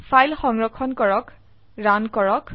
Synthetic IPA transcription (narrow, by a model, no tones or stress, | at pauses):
fʰajlxɔŋɹɔkʰɔnkɔɹɔk | ɹankɔɹɔk